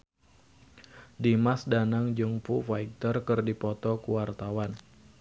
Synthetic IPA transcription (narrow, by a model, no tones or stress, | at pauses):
dimasdanaŋd͡ʒuŋpufaik̚t̪ərkɨrdipɔt̪ɔkuwart̪awan